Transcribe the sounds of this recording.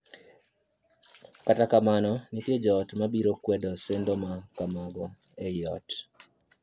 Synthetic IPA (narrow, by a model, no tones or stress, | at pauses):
katakamanɔnitjed͡ʒɔtmabiɾokwɛdɔsendomakamaɡɔɛjɔt